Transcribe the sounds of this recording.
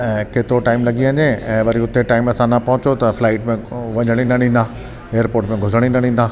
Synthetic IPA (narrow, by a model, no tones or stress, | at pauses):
ɛ̃ːkeːt̪ɪɾoʈaːɪmlɐɠiɐɲeɛ̃ːʋɐɾiʊt̪eʈaːɪmɐsãnɐpɐɦʊ̃t͡ɕot̪ɐflaːɪʈmẽʋɐɲəɽ̃inɐɽ̤ĩːn̆d̪a | eːjəɾpoːɾʈmẽɡʱʊzəɽ̃ĩnɐɽ̤ĩːn̆d̪aː